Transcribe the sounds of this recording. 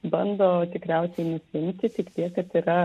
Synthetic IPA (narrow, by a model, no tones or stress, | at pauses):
bɐnd̪oːt̪ʲɪkɾʲæˑʊsʲɛɪnʊsʲɪɪmʲt̪ʲɪt̪ʲɪkt̪ʲiɛkkɐt̪iːɾɐ